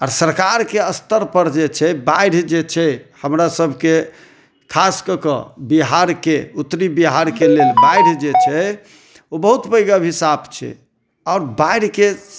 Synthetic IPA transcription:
aɾsəɾkaɾkeəst̪əɾpəɾd͡ʒet͡ʃʰɛbaɪɽ̤d͡ʒet͡ʃʰɛhəmɾasəbʱke | kʰaskəkə̰biɦaɾkeut̪ːɾibiɦaɾkelelbajɽ̤d͡ʒet͡ʃʰɛ | obəɦut̪bəjɡabɦisabt͡ʃʰɛ̰ | ɔʊɾbajɽ̤ke

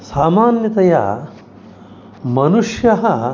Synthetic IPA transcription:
saːmaːnjɐt̪ɐjɐ̰ | mɐnuʂjɐɦɐ

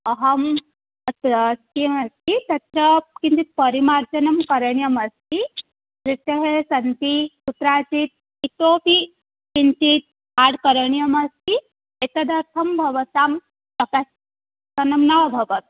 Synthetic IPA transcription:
ɐɦɐm | ɐt̪ɾst̪iɐmɐst̪ʰit̪ɐt̪ɾɐkint̪it̪̚pɐɾimaːɾd͡ʒɐnɐmkɐɾɐɳjɐmɐst̪i | ɾit̪ɐɦesɐnt̪isut̪ɾaːt͡ʃit̪̚ | it̪oːpi | kint̪it̪̚ | aːɽkɐɾɐɳjɐmɐst̪ʰi | et̪ɐd̪ɐɾt̪ʰɐmbʱɐʋɐsaːm | sɐkas | sɐnɐmnabʱɐʋɐt̪

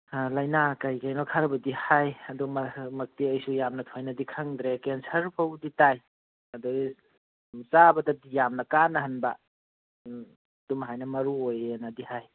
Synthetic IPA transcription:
lajnakajkajnɔkʰaɾbɐdihajɐdummɐk̚tiɐjsujamnɐtʰojnɐdikʰaŋd̪ɾekensʰɐɾpʰawditaj | ɐdu | sabɐdadijamnɐkanɐɦɐnba̰ | dumɦajnɐmɐɾuojenadihaj

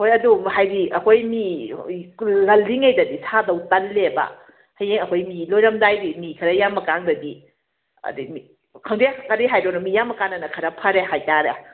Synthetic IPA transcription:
kojɐduhajɾiɐkʰojmi | lɐlːiŋejdɐdisʰadɐwtɐnlebɐ̰ | hɐjeŋɐkʰojmilojɾɐmdajɾimikʰɐɾɐjamːɐkaŋdɐdi | ɐ̰dimi | kʰaŋdekaɾiɦajdɔnɐmijamːɐkaŋnɐnɐkʰɐɾɐpʰɐɾehajtaɾe

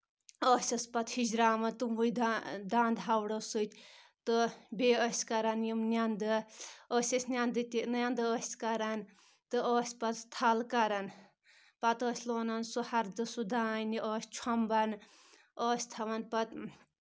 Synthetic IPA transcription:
ɔːsʲɐspɐt̪hid͡ʒɾaːmɐnt̪umbujd̪ad̪aːnd̪ɦawɽɐsɨt̪ʲ | t̪ɨbeːəsʲkɐɾɐnjimnʲand̪ɨɔːsʲɐsʲnʲand̪ɨt̪ʲinjand̪ɨəːsʲkɐɾɐn | t̪ɨɔːsʲpɐt̪st̪ʰalkɐɾɐn | pɐt̪ɔːsʲloːnɐnsuhɐɾd̪ɨsud̪aːniʔɔːsʲt͡ʃʰɐmbɐn | ɔːsʲt̪ʰɐʋɐnpɐt̪

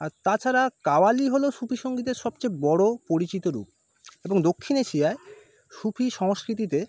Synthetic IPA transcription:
aɾt̪at͡ɕʰaɾakawaliɦoloʃupʰiʃoŋɡid̪eɾʃɔb̚t͡ɕebɔɽopoɾit͡ɕit̪oɾṵp̚ | eboŋd̪okʰːineʃiae | ʃupʰiʃɔŋoskɾit̪̬it̪e

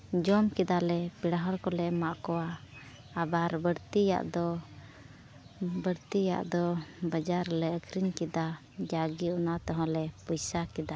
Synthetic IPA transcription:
d͡ʒɔmkɛd̪alɛpiɽaɦɔɽkɔlɛʔmaʔkɔwaː | baɾbəɽt̪ija̰ʔd̪ɔ | bəɽt̪ija̰ʔd̪ɔbəd͡ʒaɾlɛəkʰɾinkɛd̪a | d͡ʒaɡiunat̪ɔɦɔ̃lɛpɔjsakɛd̪a

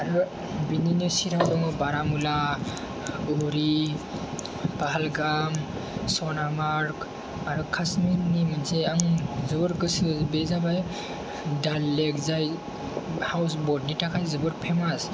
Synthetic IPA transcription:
aɾɔ | bininisiɾawdɔŋɔbaɾamula | uɾi | paɦalɡam | sɔnamaɾk | aɾukʰasminimanseaŋzubɔɾɡɯsɯbezabaj | dalːekzaj | hawsbɔɾd̚nitʰakʰajzɯbɯɾpʰemas

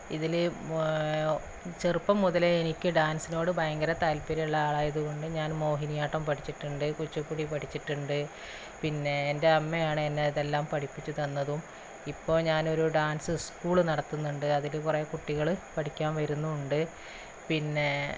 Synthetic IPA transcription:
iðil | t͡ɕerpːɐmːuðɐleenikʲːɨɖaːnsino̞ːɽɨbʱɐjɐŋɡɐɾɐt̪aːlpiɾɐuɭːɐaːɭaːjɐðuɣo̞ɳɖɨɲaːnmo̞ːɦinijaːʈːɐmpɐʈʰit͡ɕːiʈːuɳɖɨkut͡ɕːupːuɽipɐʈʰit͡ɕːiʈːuɳɖɨ | pinːe̞ːnde̞ɐmːejaːɳɨenːeðelːaːmpɐʈʰipːit͡ɕːut̪ɐnːɐðum | ipːo̞ːɲaːno̞ɾuɖaːnsɨskuːɭnɐɽɐt̪ːunːuɳɖɨɐðilkurekuʈːiɣɐɭpɐʈʰikʲːaːnʋɐɾunːuːɳɖɨ | pinːe̞

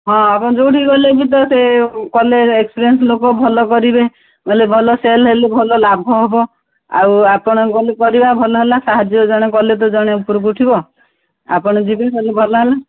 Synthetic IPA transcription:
ɦɔ̃apɔɽɔd͡ʒouʈʰiɡɔlebit̪̬ɔsekɔleekspɾienslokɔbʱɔlɔkɔɾibe | mɔlebʱɔlɔselɦelebʱɔlɔlabʱɔɦebɔ | a̰wapɔɽ̃ɔkɔlekɔɾibabʱɔlɔɦelasaɦad͡ʒjɔd͡ʒɔɽ̃ekɔlet̪̬ɔd͡ʒɔɽ̃eupuɾɔkuʈʰibɔ | a̰pɔɽ̃ɔd͡ʒibeselebʱɔlɔɦela

